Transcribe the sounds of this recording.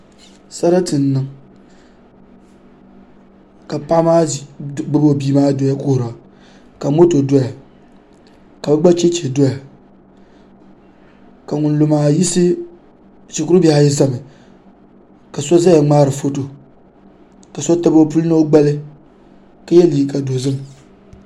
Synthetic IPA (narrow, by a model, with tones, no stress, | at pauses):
sa˦ɾa˦tɨ˨nː˨˦ɨ˦ŋ | ka˨pa˦maː˦˨ɡ͡bɨ˦bbiː˦maː˦do˨˦ja˦kʊ˦hʊ˨ɾa˨ | ka˨mo˦to˨do˦ja˨ | ka˨bɛ˦ɡ͡ba˦t͡ʃe˦t͡ʃe˨do˦ja˨ | ka˨ŋʊ˨nlo˨maː˨ji˦sɨ˦ | t͡ʃi˨kʊ˦ɾʊ˦bɛ˦ha˦ji˦za˦˨mɨ˨ | ka˨sɔ˦za˦ja˨ŋ͡maː˦ɾɨ˨fo˦to˨ | ka˨sɔ˦ta˦bo˦pu˦lno˦o˦ɡ͡ba˦lɪ˦ | ka˦jɛ˦li˨ka˨do˨zɨ˦m˨